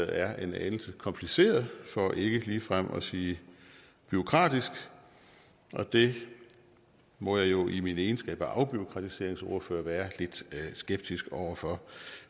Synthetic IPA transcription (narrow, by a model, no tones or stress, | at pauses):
ð̩ˠæɐe̝nænl̩səkʰɒ̽mpʰlise̝̰ːɐðˠfɒ̽ʔe̝ɡ̥əliːfʁam̰ɒ̽siː | b̥yo̝kʰʁɑ̰̈ːd̥isɡ̥ | ʔɒ̽d̥e̝ | mɒ̽jɑ̈ɪjo̝ʔimineːnsɡ̥ɛ̰ːb̥ɒʔɑ̈ʊb̥yo̝kʰʁɑ̈t͡sʰise̝ɐ̰eŋso̝ːɐføːɐʋæːɐle̝d̥sɡ̥eb̥̚d̥isɡ̥ɒʊ̰ɐfɒ̽